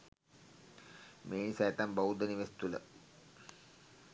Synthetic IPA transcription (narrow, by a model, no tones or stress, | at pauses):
meːnisɛjt̪ambaud̪əniʋest̪ulə̰